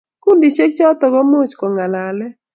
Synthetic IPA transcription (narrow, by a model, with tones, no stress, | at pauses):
ku˦ndi˨t͡ʃe˦k̚t͡ʃɔ˦t̪ɔ˨ɡɔ˦mo˦˨t͡ʃkɔ˨ŋa˨la˨lɛ˦